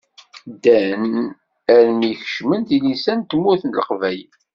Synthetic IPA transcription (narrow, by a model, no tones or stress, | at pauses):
d̪æn | æɾmijçə̥ʃmənθilisænt̪mːuθənlə̰qvæj